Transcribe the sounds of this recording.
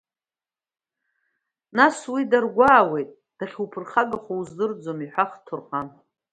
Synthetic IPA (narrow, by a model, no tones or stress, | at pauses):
naswidarɡʷaːwe̞jtʼ | d̥aχʲupʰɨrχaɡaχowzdɨrd͡zomiħʷaχtʰɨrqʼan